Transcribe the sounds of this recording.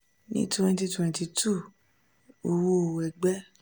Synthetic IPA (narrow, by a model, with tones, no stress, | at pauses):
nḭ̃˦tu˦˧ɛ̃˧nti˧tu˨ɛ̃˨˧nti˧tʰu˦˨ | o˧wo˦o˨wɛ˨ɡ͡bɛ˦